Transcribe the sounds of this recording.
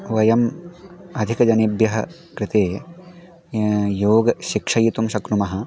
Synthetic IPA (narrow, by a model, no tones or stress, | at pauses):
ʋɐjɐm | ɐd̪ʱikɐd͡ʒɐnibjɐɦɐ | kɾɪt̪eː | joːɡɐʃikʂɐjit̪umʃɐkɾumɐɦɐ̆